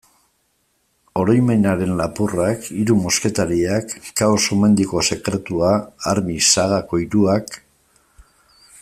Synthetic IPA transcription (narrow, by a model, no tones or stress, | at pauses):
o̞ɾojme̞naɾe̞nlapurakiɾumo̞ske̞t̪aɾiakːawsome̞nd̪iko̞se̞kɾe̞t̪uaːɾmisaɣako̞iɾuak